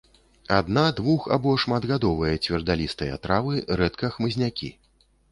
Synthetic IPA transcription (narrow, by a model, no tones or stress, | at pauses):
ad̪nad̪vuxa̰bɔʂmad̪ɣad̪ɔvɐjɐt͡sʲvʲɛrd̪alʲist̪ɐjɐ̰a̰t̪ɾavɨɾɛt̪kɐxmɨzʲnʲakʲḭ